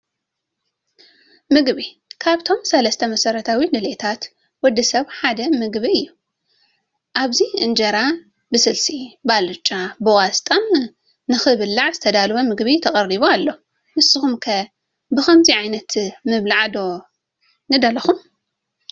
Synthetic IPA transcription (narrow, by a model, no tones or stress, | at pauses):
mɨɡbi | kʰaβt̪ʰo̞msɐlɐst̪ʰɐmɐsɐɾɐt̪ʰawilɨlet̪ʰat̪ | wɔd̪ːɨsɐβħad̪ɐmɨɡβiɨjːu | ʔaβziɨnd͡ʒɐɾa | bɨsɨlsibalɨt͡ʃʼːabɨwast̪ʼɐm | nɨxɨβɨlːaʕzɨt̪ʰɐd̪alβɐmɨɡβit̪ʰɐχʼɐriβoalːo | mɨsːɨxumkʰɐ | bɨxɐmziʕajnɐt̪mɨβlaʕd̪o̞ | nɨd̪ɐlɐxum